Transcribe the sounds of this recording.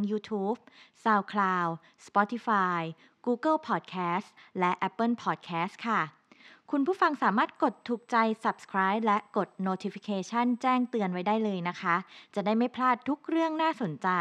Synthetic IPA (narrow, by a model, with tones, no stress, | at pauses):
ŋjuː˧t̪ʰuː˦˥p̚saː˧˩wkʰlaː˧w | spɔ˦˥t̪ʰi˧faː˧j | kuː˧kɤ˥˩lpʰɔː˨˩t̪̚kʰɛː˦˥stlɛ˦˥ʔɛ˦˥pːɤ˥˩npʰɔː˨˩t̪̚kʰɛː˦˥st̪̚kʰa˥˩ | kʰu˧npʰuː˥˩fa˧ŋsaː˩˦maː˥˩t̪̚ko˨˩t̪ʰːuː˨˩k̚t͡ɕa˧jsa˨˩p̚skʰɾaː˦˥jp̚lɛ˦˥ʔko˨˩t̪̚noː˧t̪ʰi˧fi˧kʰeː˧t͡ɕʰa˥˩nt͡ɕɛː˥˩ŋt̪ɯ˧ənwa˦˥jdaː˥˩jlɤː˧jna˦˥kʰa˦˥t͡ɕa˨˩daː˥˩jma˥˩jpʰlaː˥˩t̪ʰːu˦˥k̚ɾɯ˥˩əŋnaː˥˩so˨˩˦nt͡ɕa˧